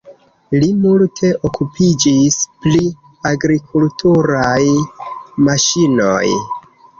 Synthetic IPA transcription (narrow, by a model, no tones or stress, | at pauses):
limultʰe̞ʔokʰupʰid͡ʒispli | aɡɾikʰultʰuɾaj | maʃino̞̰j